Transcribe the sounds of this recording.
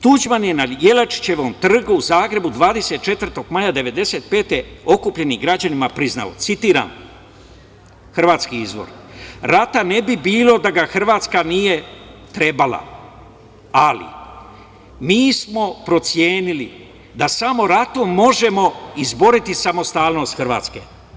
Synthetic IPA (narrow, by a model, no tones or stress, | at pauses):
t̪ud͡ʑmanjenaje̞lat͡ʃi̥t͡ɕe̞ʋo̞mt̪r̩ɡuuzaːɡɾe̞bud̪ʋaːd̪e̞se̞t̪̚t͡ʃe̞t̪vr̩t̪o̞ɡmajad̪e̞ʋe̞d̪e̞se̞ːt̪̚pe̞ːt̪e̞o̞kupʎe̞niɡɾad͡ʑanimapɾizna̰o̰t̪sit̪iːɾa̰m | xrʋaːt̪skiizʋo̞̰ɾɾat̪ane̞bibiːlˠo̞d̪aɡaxr̩ʋaːt̪skanije̞t̪ɾe̞bala̰ | alḭ | miːsmo̞pɾo̞t̪sje̞ːnili | d̪asamo̞ɾat̪omːo̞ʒe̞mo̞izbo̞ɾit̪isamo̞st̪aːlno̞st̪xrʋa̰ːt̪ske̞̰